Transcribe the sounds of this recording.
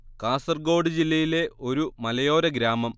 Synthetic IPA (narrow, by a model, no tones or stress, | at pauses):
kaːsɐrɡo̞ːɽɨd͡ʑilːɐjile̞o̞ɾumɐlɐjo̞ːɾɐɡɾaːmɐm